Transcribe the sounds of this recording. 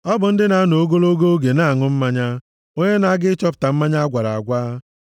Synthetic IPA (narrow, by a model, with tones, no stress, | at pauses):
ɔ˦bʊ˨n̩˦dɪ˦na˨˦no˨˦ɡo˦lo˦ɡo˦ɡe˨na˦˨ŋʊ˦m̩˦ma˦ɲa˦ | o˦ɲe˦na˨a˦ɡɪ˦t͡ʃɔ˦p̬ʊ̥˨ta˨m̩˦ma˦ɲa˦a˦ɡʷa˨ɾa̰˨a̰˨ɡʷaː˦